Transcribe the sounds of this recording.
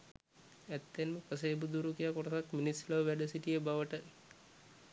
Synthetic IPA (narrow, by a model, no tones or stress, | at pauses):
æt̪ːenməpəs̬eːbud̪uɾukijakoʈɐt̪akminisləʋʋæɖəsiʈijəbaʋəʈə